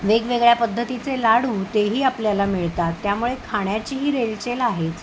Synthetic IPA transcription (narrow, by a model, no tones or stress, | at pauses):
ʋeɡʋeɡɭjapəd̪ʱːət̪it͡selaɽuːt̪eɦiːapljalamiɭt̪at̪ːjamuɭekʰaɽ̃jat͡ɕiːɦiːɾelt͡ɕelaɦet͡s